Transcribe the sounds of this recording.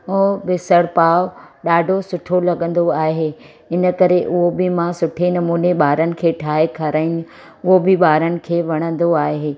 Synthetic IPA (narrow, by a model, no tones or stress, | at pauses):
oːbɪsəɽpaːʋɗaːɖʱosʊʈʰolɐɠə̃n̆d̪oaːɦeː | ɪnə̆kɐɾeʔʊɦobɪmãsʊʈʰenɐmuːneɓaːɾənɪ̆kʰeːʈʰaːekʰɐɾaːi | ʊɦobɪɓaːɾənɪ̆kʰeːʋɐɽ̃ə̃nd̪oaːɦeː